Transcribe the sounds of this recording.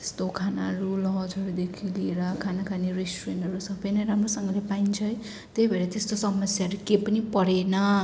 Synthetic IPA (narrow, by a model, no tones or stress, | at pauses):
tt̪e̥st̪okʰanaɾulʌd͡zʌɾud̪ekʰilieɾʌkʰanakʰaneresʈurenɦʌɾusʌbʌjnʌjɾamrosʌŋɡʌlepaint͡sʰʌj | t̪ejbʱeɾet̪est̪osʌmʌsjaʌɾukepʌnipʌɾenʌ